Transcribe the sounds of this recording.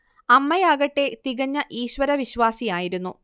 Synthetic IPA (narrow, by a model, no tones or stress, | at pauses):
ɐmːɐjaːɣɐʈːe̞t̪iɣɐɲːɐʔiːɕʋɐɾɐʋiɕʋaːsijaːjiɾunːu